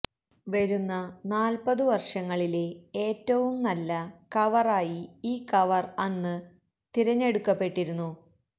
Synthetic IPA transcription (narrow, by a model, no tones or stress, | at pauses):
ʋɐɾunːɐnaːlpɐðɨʋɐrʂɐŋːɐɭileeːtːɐʋumnɐlːɐkɐʋɐraːjiiːkɐʋɐrɐnːɨ | t̪iɾɐɲːe̞ɽukːɐpːe̞ʈːiɾunːu